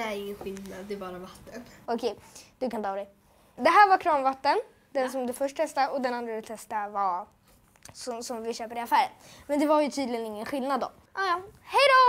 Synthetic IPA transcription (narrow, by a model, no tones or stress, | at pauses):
d̪ɛæɾɪŋːənɧɪlnad̪ːɛːbɑːɾavat̪ʰːənɔkʰɛjd̪̥ɵkant̪ʰɑːd̪ɛj | d̪ɛɦæːɾvaɾkʰɾɑːmvat̪ːən | d̪ɛnsɔmd̪ɛfœʂʈ̪̚ʰɛst̪aɔd̪ɛnand̪ɾad̪ɛt̪ʰɛst̪ava | sɔsɔmvɪɕøːpəɾɪafæːɾənmɛnd̪ɛvaɾjɵt̪ʰyːd̪lɪɡənɪŋːənɧɪlnad̪ːɔ̰m | ʔɑjɑhɛjd̪o